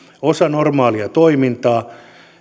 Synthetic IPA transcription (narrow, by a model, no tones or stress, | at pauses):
osɑnormɑːliɑt̪oimint̪ɑː